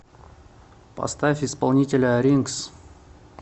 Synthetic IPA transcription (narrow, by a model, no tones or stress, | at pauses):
pɐ̰st̪afʲɪspɐlˠnʲitʲɪlʲəɾʲiŋks